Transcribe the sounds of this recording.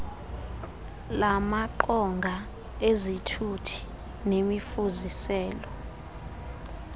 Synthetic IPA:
lamaǃɔŋɡʱa | ezitʰutʰi̥ | nemifuzisɛːlɔ

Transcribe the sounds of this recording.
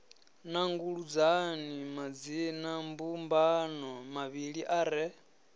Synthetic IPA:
naŋɡuɺud͡zanimad͡zinambumbanɔmaβiɺiʔaɾɛ

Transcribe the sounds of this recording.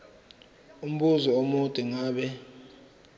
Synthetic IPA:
um̩ɓuzɔomutʼiŋaːɓɛ

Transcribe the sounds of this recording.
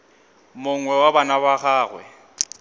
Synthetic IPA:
mʊŋwɛwabanabaχaːɣwɛ̰

